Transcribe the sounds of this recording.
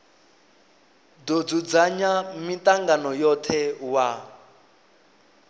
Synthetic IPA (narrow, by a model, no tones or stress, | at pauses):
dod͡zud͡zaɲamitaŋɡanɔjɔt̪ʰɛwa